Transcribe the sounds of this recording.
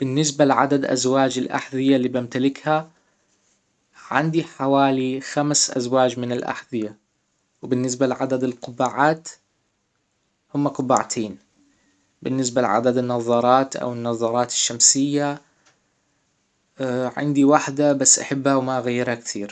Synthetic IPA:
b̥ɪnːɪs̬balʕa̰d̪ad̪ʔa̰zwaːd͡ʒɪlʔa̰ħðˤɪjalːiːbamt̪alɪkha | ʕɪ̰nd̪iħawaːlixamsʔa̰zwaːd͡ʒmɪnɪlʔa̰ħðɪja | wbɪnːɪs̬balʕad̪ad̪ɪlqʊbaʕaːt̪ | hʊmːaqʊbaʕt̪ʰeːn | bɪnːɪs̬balɪ̰ʕa̰d̪ad̪ɪnːɑðˤɑɾˤɑːt̪ʔa̰wɪnːɑðˤɑːɾˤɑːt̪ɪ̥ʃːamsɪjːa | ʕɪ̰nd̪iwaħd̪abasːʔaħabːhawmaʔɣajːɪɾhakt̪iːɾ

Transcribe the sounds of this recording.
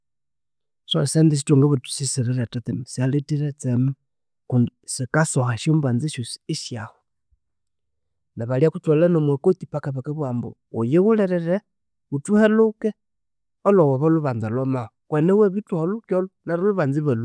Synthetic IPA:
sosendis̬ituŋɡeβutu̥sisiɾeɾetatimisialetiɾet͡semu | kunsikasoxaʃjomband͡ziʃusiʃjaho | naβaliakutwalanomwekotipakaβakeβwambo̰ | ojeɣuleɾeɾe | βutuheluke | olowoβaluβand͡zalomaokweneweβituhalukolunaɾaluβand͡ziβalu

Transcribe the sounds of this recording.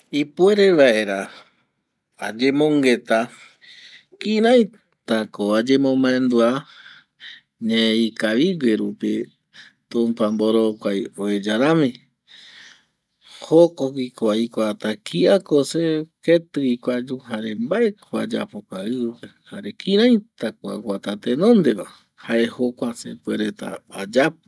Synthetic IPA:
ipueɾeβaʔeɾa | ad͡ʒemõŋɡe̞t̪a | kiɾaj | t̪akoad͡ʒemõmãẽnd̪ua | ɲẽikaβiɡeɾupi | t̪ũmpãmboɾokʷajoed͡ʒaɾãmĩ | hokokikoaikʷat̪akʰiakoseket̪ɨikʷad͡ʒuɦaɾe̞mbaekʰoa̰d͡ʒa̰pokaɨpehaɾe̞kʰĩɾãjt̪akoa̰ɡʷat̪at̪enõ̞nd̪e̞βa | hae̞hokʷasḛpeɾet̪a̰ad͡ʒapo

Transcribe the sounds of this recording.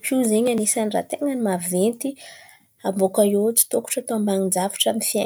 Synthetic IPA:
pʰuzeɲanisanira̰t̪eŋənimavvent̪i | ambokaet͡si̥t̪oku̥ʈ͡ʂat̪oambaŋind͡zavu̥ʈ͡ʂanifia

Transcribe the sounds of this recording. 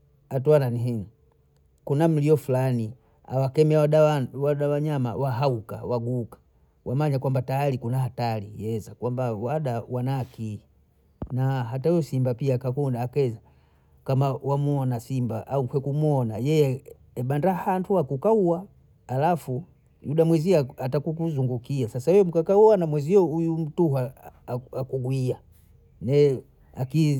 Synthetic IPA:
atwananiɦiŋ̩ | kunam̩lijɔfulani | a̰wakɛmɛaɗaawaɗawaɲama̰waɦauka̰waɡukḁ | wʔamaɲakwambatajalikunahatalijɛzakwambawaɗawanaki | naɦatauɔsimbapiakakundaːkɛza | kamawamuɔnasimbaʔauŋkwɛkumuɔnajɛjɛ | ɛɓandahantʰuakukauaː | lafu | juɗamwɛziaatakukuzuŋɡukiasasaɛɛmukakauanamwɛziɔujum̩tuɦa | akuɡwia | nɛ | aki

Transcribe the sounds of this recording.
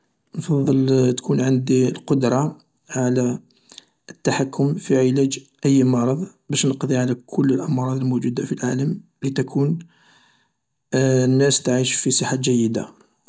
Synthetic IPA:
nfɑðˤːəlt̪kʰunʕənd̪iəlqod̪ɾˤɑ | ʕalæ | ət̪ːaħakːʊmfiʕilæd͡ʒʔəjːmɑɾˤɑðˤbæʃnəqd̪iʕalækʰʊlːəlʔɑmɾˤɑd̪ˤəlmud͡ʒud̪afilʕaləm | lit̪ækʰun | nːæst̪ʕiʃfisˤəħad͡ʒæjːəd̪a̰

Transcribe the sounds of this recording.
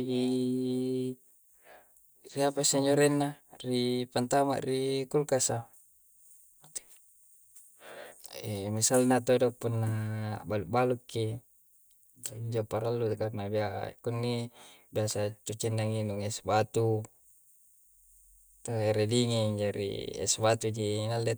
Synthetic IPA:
i | riapasaɲd͡ʒoɾɛnːaripant̪ama̰ʔrikulkasa | misalnat̪odopunːabaluʔbalukːi | iɲd͡ʒopaɾalːukarnabiakunːibiasat͡ʃut͡ʃinːaŋinuŋesbat̪u | t̪oeɾediŋed͡ʒoɾḭsbat̪ud͡ʒinalːe

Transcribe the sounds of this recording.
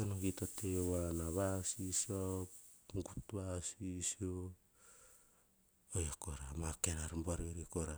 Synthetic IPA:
onoɡitotewanaβasiso | ŋɡutβasisio | ojakoɾamakeɾaɾmbaɾioɾikoɾa

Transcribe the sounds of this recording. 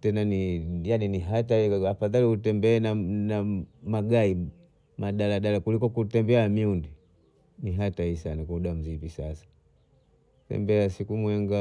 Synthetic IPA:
tɛnanijaniniɦataiafaðaliutɛmbɛːnanamaɡai | maɗalaɗalakulikɔkutɛmbɛaamiundi | niɦataisanakauɗam̩zipisasḁ | tɛ̰mbɛasikumwɛŋɡa

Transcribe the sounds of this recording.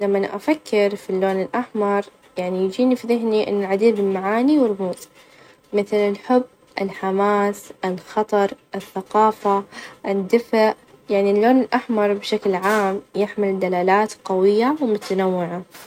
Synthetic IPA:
lamːaanaʔafakʰːɪɾfilːoːnɪlʔaħmɑɾˤ | jaʕnijd͡ʒiːnifiðɪɦniʔɪ̰nːalʕad̪iːbɪlmaʕaːniwɪɾmuːt̪ | mɪθlɪlħʊbː | ʔɪlħamaːsʔɪlxɑt̪ˤɑɾˤʔɪθːaqɑːfaʔɪd̪ːɪfaʔ | jaʕnilːoːnɪlʔaħmɑɾˤbʃaklʕaːmjɪħmɪld̪alaːlaːt̪qawɪjːawmʊt̪anawːɪʕa

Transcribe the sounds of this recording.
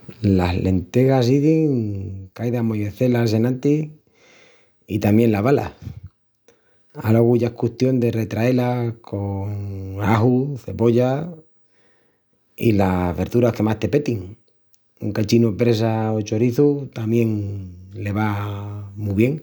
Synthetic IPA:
lasle̞nt̪e̞ɣas̬iðiŋkajðamojeθe̞las̬e̞nãnt̪i | it̪amjẽ̞nlaβ̞ala̰ | alo̞ɣuʝaehkuht̪jo̞nd̪e̞re̞t̪ɾae̞lakʰo̞ŋaɦuθe̞po̞ʎa | ḭlaβe̞ɾðuɾahke̞mast̪e̞pe̞t̪iŋ | uŋkat͡ʃinupɾe̞saot͡ʃo̞ɾiθut̪amje̞ŋle̞β̞a | muβje̞ŋ

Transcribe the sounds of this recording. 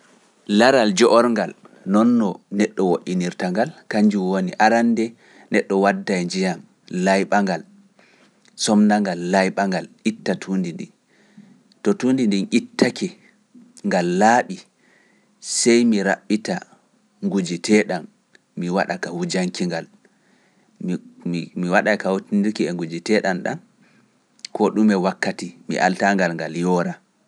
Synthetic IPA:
laɾald͡ʒɔʔɔɾŋɡal | nɔnːɔnɛɗːɔwoʔiniɾtaŋɡalkaɲd͡ʒuwoniʔaɾandɛ | nɛɗːɔwadːajd͡ʒijam | lajɓaŋɡal | sɔmnaŋɡalːajɓaŋɡalʔitːatʰundindḭ | tɔtundindinʔitːakʰɛ | ŋɡalːaːɓi | sɛjmiɾa̰ɓːita | ŋɡud͡ʒitʰɛɗan | miwaɗakawud͡ʒaŋkiŋɡal | miwaɗakawutindiɾkiɛŋɡud͡ʒitɛɗanɗa̰n | kɔɗumɛwakːatimḭʔa̰ltaŋɡalŋɡaljɔɾa

